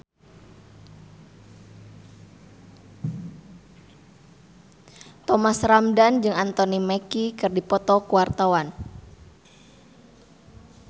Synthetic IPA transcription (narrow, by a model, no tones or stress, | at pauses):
t̪ɔmasramdand͡ʒɨŋant̪ɔnimɛkikɨrdipɔt̪ɔkuwart̪awan